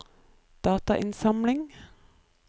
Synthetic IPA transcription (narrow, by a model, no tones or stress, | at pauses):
d̪̥ɑːt̪ɑʔɪnsɑmlɪŋ